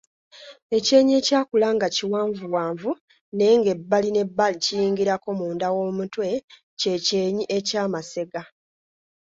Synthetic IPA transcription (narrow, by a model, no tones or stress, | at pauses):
e̞ce̞ːɲe̞ːcaːkulaːŋɡaciwaːɱvuwaːɱvu | ne̞ːŋɡe̞bːaline̞bːalicijiːŋɡiɾako̞muːndawo̞ːmutwe̞ | ce̞ce̞ːɲiʔe̞caːmase̞ɡa